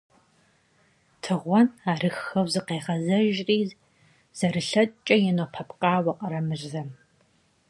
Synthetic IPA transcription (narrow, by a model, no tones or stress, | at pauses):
tʰɨʁʷɔnaːrɨxɐwzɨqeːʁɐzɐʒriː | z̥ɐɾɨɬɐtʼt͡ʃʼɐjɛnopʰɐpqʼɑːwɐqʼɐɾɐmɨʑzɐ